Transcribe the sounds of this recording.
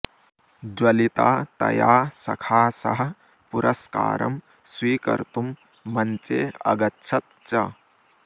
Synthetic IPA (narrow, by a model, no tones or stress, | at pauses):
d͡ʒwɐlit̪aːt̪ɐ̰jaːsɐkʰaːsɐ̰ɦɐ̆ | puɾɐska̰ːɾɐ̰m | swiːkɐ̰ɾt̪umː | ɐɲt͡ʃeːɐ̰ɡɐtːt͡ʃʰɐt̪̚t͡ʃɐ